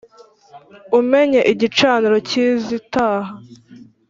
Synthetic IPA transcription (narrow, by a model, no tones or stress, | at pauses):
ume̞ɲeʔiɟit͡ʃaːniɾo̞ciːzitaːha